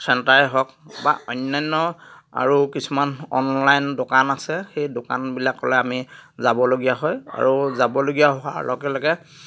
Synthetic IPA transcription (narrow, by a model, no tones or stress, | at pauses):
sʰɛntaɹɦɔk̚ba̰ɔjnːajnːɔa̰ɹukisumanɔ̰nlajndokanasɛxejdoka̰nbilakːɔlɛamizabɔloɡijaɦɔja̰ɹuzabɔloɡijaɦʊa̰ɹlʔɔ̰ɡɛlɔɡɛ